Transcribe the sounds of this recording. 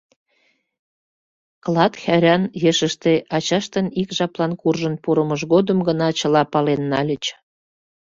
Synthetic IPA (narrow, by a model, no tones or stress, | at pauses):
klɑt̪xæɾʲɑnjeʃəʃt̪eʔɑt͡ɕɑʃt̪ənikʒɑplɑnkurʒənpuɾəməʒɣod̪əmɡənɑt͡ɕəlɑpɑlenːɑlʲət͡ɕ